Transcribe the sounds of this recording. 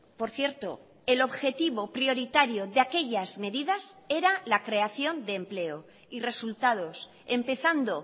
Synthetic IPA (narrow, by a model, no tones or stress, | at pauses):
po̞ɾθje̞ɾt̪o̰ | e̞lo̞βxe̞t̪iβo̞pɾio̞ɾit̪aɾjo̞ðeake̞ʎazme̞ðiðase̞ɾalakɾe̞aθjo̞nd̪e̞ːmple̞o | ire̞sult̪að̞o̞s | e̞mpe̞θand̪o̞